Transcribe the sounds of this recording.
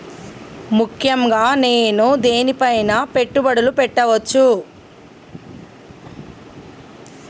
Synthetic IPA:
mukʰjɐmɡaːne̞ːnud̪eːnipɐjnɐpe̞ʈːubɐɽulupɛʈːɐʋɐt͡ʃːu

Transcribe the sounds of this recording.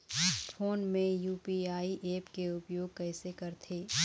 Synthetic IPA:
fʰoːnmẽjuːpiaːiʔeːpkeʊpjoːɡ̚kɛːsekɐɾt̪ʰeː

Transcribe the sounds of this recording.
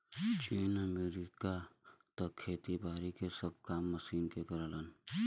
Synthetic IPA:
t͡ʃiːnəmeːɾiːkat̪ɐkʰːeːt̪ibaːɾikesəb̚kaːmːɐsiːnkekɐɾələn

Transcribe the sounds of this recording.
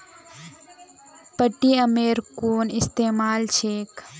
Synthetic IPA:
pəʈːiəmeːɾkoːnɪst̪eːmaːlt͡ʃʰeːk

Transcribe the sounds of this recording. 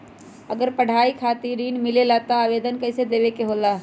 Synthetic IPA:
əɡəɾpəɽ̤ʱaːikʰaːt̪iɾiːnmɪlelaːt̪aaːʋeːd̪ənkəɪsed̪eːʋekeɦolaː

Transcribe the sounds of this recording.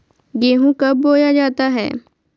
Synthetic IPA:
ɡeːɦũkɐb̚ːoːjad͡ʒaːt̪aɦɛ̰ː

